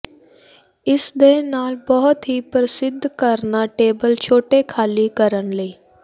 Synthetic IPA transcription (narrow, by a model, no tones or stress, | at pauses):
ɪsd̪eːnaːlbəɦʊt̪ɦipɾəsɪd̪ʱːkəɾnaʈeːbəlt͡ʃʰoːʈekʰaːlikəɾənləiː